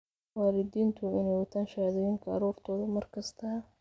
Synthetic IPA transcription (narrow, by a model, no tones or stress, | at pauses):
waːlɪd̪iːnt̪ʰʊɪnɛjwɐt̪ʰaːnʃaðɛjɪŋkʰɐɐ̰ɾuːrt̪ʰɔːðɐmɐrkʰɐst̪ʰɐ